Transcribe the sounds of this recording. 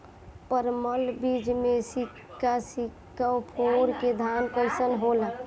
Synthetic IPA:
pəɾməlbid͡ʒmesikasik | əpʰoɾked̪ʱanpəɪsənɦolə

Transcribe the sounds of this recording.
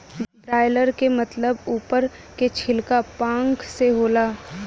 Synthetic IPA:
bɾaːɪləɾkemɐt̪ləbuːpəɾ | ket͡ʃʰɪlkapãːŋkseɦoːlaː

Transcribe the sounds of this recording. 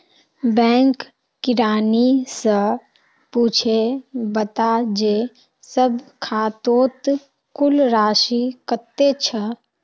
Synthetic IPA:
bɛ̃ːŋkː | ɪɾaːnisə | puːt͡ʃʰebət̪ad͡ʒe | səbkʰaːt̪oːt̪ | kʊlɾaːʃikət̪et͡ʃʰə

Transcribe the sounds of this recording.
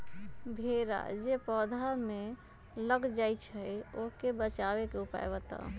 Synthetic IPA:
bʱeɾa̰d͡ʒepɔd̪ʱame | ləɡd͡ʒajt͡ʃʰəjokebət͡ʃabekeupa̰ebət̪ɔ̰

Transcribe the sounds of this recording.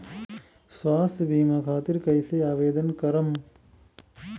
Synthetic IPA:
sʋaːsbʱiːmɐkʰaːt̪iɾkɐjseaːʋeːd̪ɐnkɐɾɐm

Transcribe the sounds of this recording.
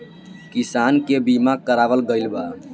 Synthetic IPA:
kisankebimakəɾaʋəlɡəjlba

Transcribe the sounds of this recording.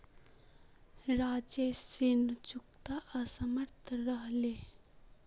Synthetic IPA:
ɾaːd͡ʒesiɳt͡ʃuk̚t̪aʔəsəməɾt̪ʰɾəɦle

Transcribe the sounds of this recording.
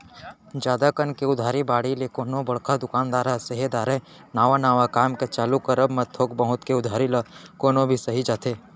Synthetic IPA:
d͡ʒjaːd̪akənkeʊd̪ʱaːɾibaːɽilekoːnõbɐɽ̤kad̪ʊkaːnd̪aːɾasəɦed̪aːɾe | naːʋanaːʋakaːmket͡ʃaːlukəɾəbmət̪ʰːoːkbəɦʊt̪keʊd̪ʱaːɾilakoːnõbʱisɐɦid͡ʒaːt̪eː

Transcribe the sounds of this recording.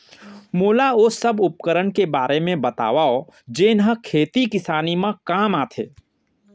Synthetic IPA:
moːlaosəbʊp̚kəɾəɳkebaːɾʔemẽbɐt̪a̰ːʋaod͡ʒeːnɦəkʰeːt̪ikɪsaːnimãkaːmaːt̪ʰḛː

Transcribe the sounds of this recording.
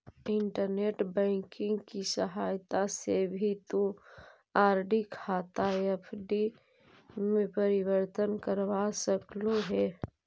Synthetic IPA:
ɪɳʈəɾneːʈbɛ̃ːkɪ̃ŋɡkisəɦaːjt̪asebʱit̪ũ | aːɾɖikʰaːt̪aepʰɖi | mẽpəɾɪwəɾt̪ənkəɾʋasəkloɦɛː

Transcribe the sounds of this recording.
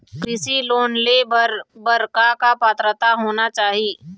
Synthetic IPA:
kɾɪsiloːnlebəɾkakapaːt̪ɾət̪aɦoːnat͡ʃaːɦiː

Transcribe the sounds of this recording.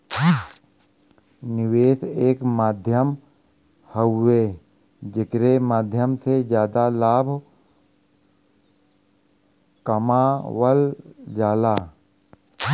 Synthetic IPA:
nɪʋeːseːkmaːd̪ʱjəm | həːeː | d͡ʒɪkɾemaːd̪ʱjəmsed͡ʒjaːd̪alaːbʱ | kəmaːwəld͡ʒaːlaː

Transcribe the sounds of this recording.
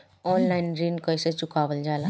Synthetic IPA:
ɔnlainɾinkʌjsət͡sukabəld͡zala

